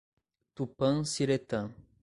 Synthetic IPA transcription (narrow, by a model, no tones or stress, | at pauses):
t̪upɐ̃ŋsiɾet̪ɐ̃